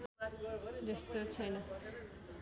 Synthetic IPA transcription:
d͡zʌst̪ot͡sʰʌjnʌ

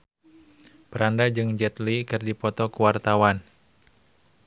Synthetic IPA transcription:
pəɾandad͡ʒɨŋd͡ʒɛt̪likɨrdipɔt̪ɔkuwart̪awan

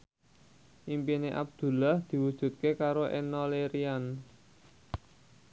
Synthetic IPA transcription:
ʔimpineʔa̰b̚d̪̥ṳlahd̪̥i̤wud̥ʒ̥ṳt̪̚kekaɾoʔḛnɔleɾian

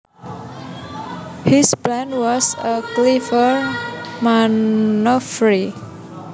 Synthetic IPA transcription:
hisblãnwɔsəklivəɹmanɔfɹi

